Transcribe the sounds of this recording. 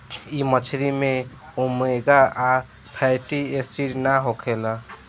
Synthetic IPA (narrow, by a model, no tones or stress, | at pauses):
imət͡ʃʰɾimeomeɡaa | pʰajʈiesiɾnaɦokʰela